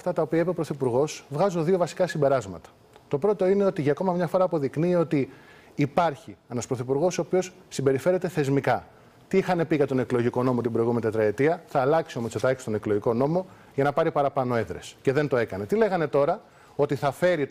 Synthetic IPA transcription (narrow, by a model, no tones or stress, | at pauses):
ft̪ɐt̪ɐopiɐepepɾoθipuɾɣo̞svɣɐzunðio̞vɐsi̥kɐsimbe̞ɾɐzmɐ̰t̪ɐ̥ | t̪o̞pɾo̞t̪o̞ine̞o̞t̪iʝɐːko̞mɐmɲɐfo̞ɾɐːpo̞ðikniːo̞t̪iː | pɐɾçie̞nɐspɾo̞θipuɾɣo̞sooːpio̞sːimbe̞ɾife̞ɾet̪e̞θe̞zmikɐ | t̪iixɐne̞piʝɐt̪o̞ne̞klo̞ʝiko̞no̞mo̞t̪ibɾo̞jɣumenit̪et̪ɾɐet̪iɐθɐːlɐksiomost͡set̪ɐcst̪o̞ne̞kloʝiko̞no̞mo̞ | ʝɐnɐpɐɾipɐɾɐpɐno̞e̞ðɾesce̞ðe̞nt̪oe̞kɐne̞t̪ile̞ɣɐne̞t̪o̞ɾɐ | o̞t̪iθɐfe̞ɾi